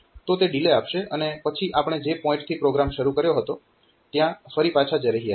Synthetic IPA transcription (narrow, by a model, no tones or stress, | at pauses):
t̪ot̪eɖileapʃeʔənepət͡ʃʰiʔapəɳ̃ed͡ʒepɔ̃ɪ̃ɳʈt̪ʰipɾoɡɾamʃəɾukəɾjoɦət̪o | t̪jãfəɾipat͡ʃʰad͡ʒeɾəɦia